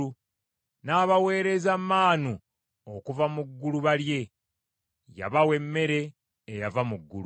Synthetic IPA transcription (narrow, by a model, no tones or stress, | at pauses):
u | naːβawe̞ːɾe̞zamːaːnu | okuvamuɡːuluβalje̞ | ja̰βawe̞mːe̞ɾe̞ː | javamuɡːṵlu